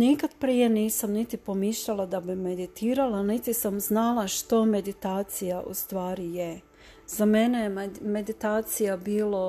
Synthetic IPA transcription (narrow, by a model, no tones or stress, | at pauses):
nikad̪pɾije̞niːsamnit̪ipo̞miʃʎalˠad̪abime̞d̪it̪iːɾalanit̪isamznalˠaʃt̪o̞me̞d̪it̪aːt̪sijaʔṵst̪ʋaːɾije | z̥ame̞nejeme̞d̪it̪aːt̪sijabiːlo